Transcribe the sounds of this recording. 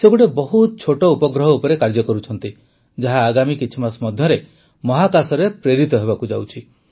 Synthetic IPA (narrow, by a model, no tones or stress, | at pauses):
sebuɽebɔɦut̪ɔt͡ʃʰoʈɔupɔɡɾɔɦɔupɔɾekaɾd͡ʒɔkɔɾut͡ʃʰɔnt̪i | d͡ʒaɦaːɡamikit͡ʃʰimasmɔd̪ʱjɔɾe | mɔɦakasɔɾepɾeɾit̪ɔɦeβakud͡ʒawt͡ʃʰi